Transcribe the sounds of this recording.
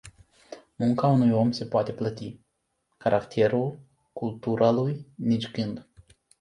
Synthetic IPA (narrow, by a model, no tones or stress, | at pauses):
muŋkaunujo̞mse̞poat̪e̞plət̪i | kaɾʔakt̪ʰe̞ɾul | kult̪uɾʔalujnit͡ʃɡɨnd̪